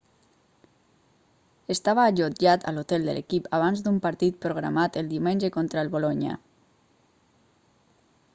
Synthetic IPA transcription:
est̪aβaːʎoʒat̪ʰa̰lot̪ɛlˠd̪ə̰lʔḛkipaβ̞anzd̪umpaɾt̪it̪̚pɾoɣɾa̰mat̪əlˠd̪iwmenʲd͡ʒəkɔnt̪ɾaelˠβolɔɲə̰

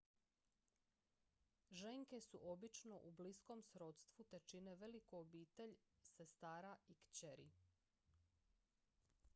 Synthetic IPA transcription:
ʒeŋke̞suʔo̞bit͡ʃno̞ʔubliskomsɾo̞t̪st̪ʋut̪et͡ʃineʋe̞likoobiːt̪e̞ʎsest̪aːɾaikt͡ɕeɾḭ

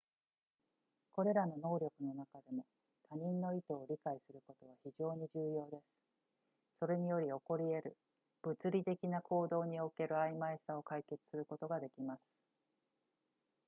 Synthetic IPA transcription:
ko̞ɾe̞ɾano̞no̞ːɾʲo̞kɯ̟no̞nakad̪e̞mo̞ | t̪aɲ̟ĩnːo̞it̪o̞ːɾʲikaisɨɾɯ̟ko̞t̪o̞β̞açiʑo̞ːɲ̟iʑɨːjo̞ːd̪e̞sɨ̥ | so̞ɾe̞ɲ̟ijo̞ɾʲio̞ko̞ɾʲie̞ɾɯ̟ | b̥ɯ̟t͡sɨɾʲit̪e̞kʲinakʰo̞ːd̪o̞ːɲ̟io̞ke̞ɾɯ̟aimaesao̞kaike̞t͡sɨ̥sɨɾɯ̟ko̞t̪o̞ɡad̪e̞kʲimasɨ̥

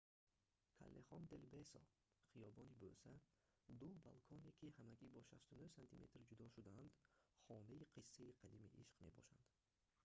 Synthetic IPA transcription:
kʰa̰lːeχɔnd̪elbesɔ̰ | χijɔbɔnibøsa | d̪uba̰lkʰɔne̞kʰihamæɡibɔʃast̪unuhsant̪ʰḭme̞̰t̪rd͡ʒud̪ɔʃud̪aænd̪χɔnaiqʰisːaiqʰad̪imḭʔḭʃqme̞̰bɔ̰ʃa̰nd̪̥

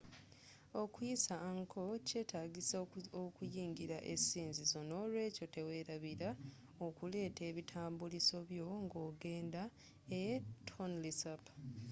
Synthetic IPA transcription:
o̞kujisaŋkʰo̞ce̞ːtʰaːɡisokujiːŋɡiɾaʔesiːnzizo̞no̞lwe̞ːco̞te̞we̞ːɾaβiɾa | okule̞ːte̞ːβitʰaːmbuliso̞βjo̞ŋɡo̞ːɡe̞ːnda | etʰonlisap

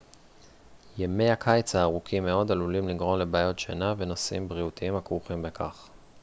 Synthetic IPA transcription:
jeme̞jhakʰajt͡saːʁukʰimːe̞o̞d̪alulimliɡʁo̞mle̞baːjo̞tʃḛnave̞no̞simbʁiut̪iimhakʁuχimbekʰa̰χ

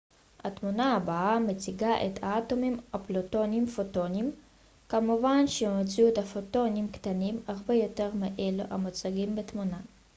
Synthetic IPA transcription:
hat̪munaabaamet͡siɡaʔet̪aat̪o̞mimaploto̞nimfoto̞nim | kamuvanʃemot͡suet̪hafoto̞nimkt̪animaʁbe̞jo̞te̞ʁmeʔeluʔha̰mot͡saɡimbet̪muna

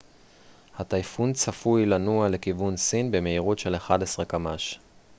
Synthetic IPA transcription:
hat̪ajfunt͡safujlanuale̞kivunsinbe̞me̞iʁutʃe̞leχad̪esʁekamaʃ

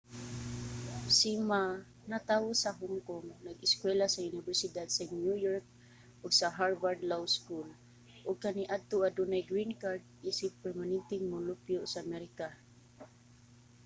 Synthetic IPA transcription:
sima | nat̪awʊsaɦʊŋkʊŋnaɡɪskwɛlasaʊnɪbɛɹsɪd̪ad̪sanjujɔɹk̚ | ʔʊɡsaɦaɹbaɹd̪lawskul | ʔʊɡ̚kaniʔad̪̚t̪ʊʔad̪unajɡɾinkaɾd̪̚ʔisɪpɛɹmanɛnt̪ɪŋmʊlʊpjʊsaamɛɾɪka

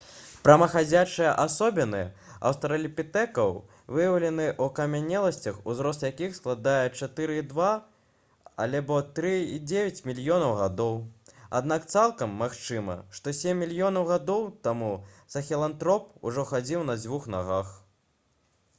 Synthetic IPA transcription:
pɾɐmɐxad͡zʲat͡ʂɨjɐʔasɔbʲɛnɨɐ̰wst̪ɐɾɐlʲipʲit̪ɛkɐw | vɨjɐwlʲɛnɨʔukamʲanʲːɛlˠɐsʲt͡sʲɐxuzɾɔst̪jakʲixsklˠad̪ajɛt͡ʂat̪ɨɾɨid̪va | a̰lʲɛbɔt̪ɾɨid͡zʲevʲɐt͡sʲmʲilʲjɔnɐwɣad̪ɔwa̰d̪̚nakt̪salˠkɐmːaxt͡ʂɨmɐ̰ʂt̪ɔsʲemʲːilʲjɔnɐwɣad̪ɔwt̪amusɐxʲɛlˠant̪ɾɔpṵʐɔxad͡zʲiwn̪ɐd͡zʲvuxnaɣax

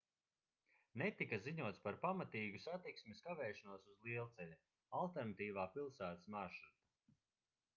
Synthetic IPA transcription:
net̪ikaziɲuɔt̪spaɾpamat̪iːɡusat̪iksmiskavɛːʃanuɔsuzlˠiɛlˠt̪sɛlʲi | alˠt̪ɛɾnat̪iːvaːpilˠsæːt̪ḁsmaɾʃɾuɾt̪ḁ

